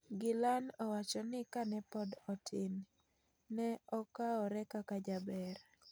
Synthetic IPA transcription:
ɡɪlanɔwat͡ʃɔnɪkanɛpɔdɔtʰɪnː | ɛɔkaɔɾɛkakad͡ʒabɛɾ

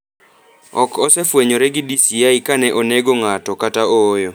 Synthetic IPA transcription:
ɔkɔsɛfweɲoɾɛɡɪdisiaikanɛʔoneɡoŋatɔkataoːjo

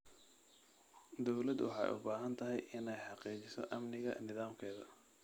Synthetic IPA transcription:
d̪ɔwlɐd̪wɑ̰ħɑ̰ːjʊ̰baːɦɐnt̪ʰɐɦɛ̰jʔɪnɛjħɑqiːt͡ʃɪsɔ̰ʔɐmnɪɣɐnɪðaːmkʰɛːðɐ

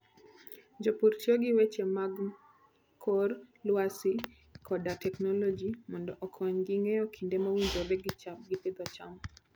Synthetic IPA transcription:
d͡ʒopuɾt͡ʃoɡɪwet͡ʃemaɡ | kʰorlwasi | kʰɔdatɛknɔlod͡ʒimɔndɔʔɔkʰɔɲɡɪŋeɔkʰindemawindobeɡɪt͡ʃap̚ɡɪped̪ɔt͡ʃam

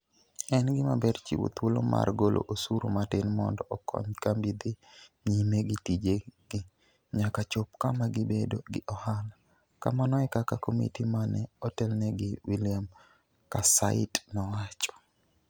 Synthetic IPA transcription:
ɛnɡɪmabɛrt͡ʃḭwṵt̪wolo̰mʔa̰rɡolʔo̰ʔosuɾomatɪnmɔ̰ndɔʔːkʰɔ̰ɲkambid̪ɪɲimeɡɪtid͡ʒeɡ̥ɪ | ɲakat͡ʃop̚kamaɡɪbedoɡɪʔɔhala | ka̰manɔɛkakakomḭtimanɛɔtɛlnɛɡɪwilɪjam | kasa̰ɪtnɔwat͡ʃɔ̥

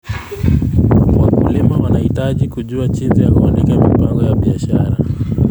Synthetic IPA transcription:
wakulimawanahitaʄikuʄuat͡ʃinzijakuɔnɛkamipaŋɡɔjaɓiaʃaɾa

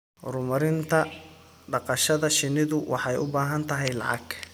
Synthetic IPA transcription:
rʊmɐɾɪnt̪ʰɐ | ɖɑqɑʃɐðɐʃɪnɪðʊwʔɑħɑjʊ̰baːɦɐnt̪ʰɐɦɛjlɑ̰ʕɑ̰ɡ

